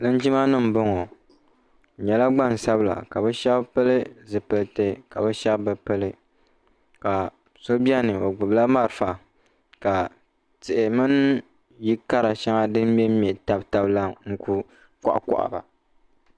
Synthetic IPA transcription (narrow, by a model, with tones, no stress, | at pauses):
nɨ˦n˦d͡ʒi˦ma˦nɨ˦m̩˨bo˦ŋɔ˨ | ɲɛ˨la˦ɡ͡ba˦˨n˨sa˦bla̰˨ka˨bɛ˦ʃa˦bpɨ˦lɨ˦zɨ˨pɨ˦lte˦ka˨bɛ˦ʃa˦bbɨ˨pɨ˦lɨ˦ | ka˨ | so˦bi˦ɛ˦nɨ˨o˨ɡ͡bʊ˨bla˦ma˦ɾɨ˨fa˨ | ka˨ | tɪ˨ʔɪ˨mɨ˦n | ji˦ka˦ɾa˨ʃa˦ŋa˦dɨ˦mmɛ˦mɛ˨ta˦bta˦bla˦ŋ̩˦ku˦ | kɔ̰˨ʔa̰˨kɔ̰˨ʔa̰˨ba̰˨